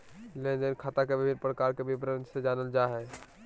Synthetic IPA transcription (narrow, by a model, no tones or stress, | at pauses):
lend͡ʒənkʰaːt̪akebɪbʱɪnpɾəkaɾkebʱibɾənsed͡ʒanəld͡ʒaɦɛ